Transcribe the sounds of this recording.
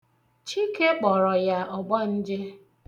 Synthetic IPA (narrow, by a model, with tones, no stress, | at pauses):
t͡ʃi˦ke˦k͡pɔ˨ɾɔ˨ja˦ɔ˨ɡ͡ba˦n̩˦d͡ʒɪ˦